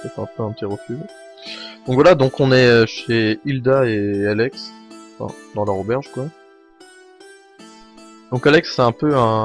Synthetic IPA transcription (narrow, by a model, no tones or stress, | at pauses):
ɛfɛ̰̃pøɛ̃pət̪iʁəfy | d̪̥ɔ̃kvwalad̪ɔ̃kɔ̃nɛøʃeild̪aealɛksɑ̃fɛ̰̃d̪ɑ̃lœʁobɛʁʒkwa | d̪̥ɔ̃kalɛksːɛɛ̃pøɛ̃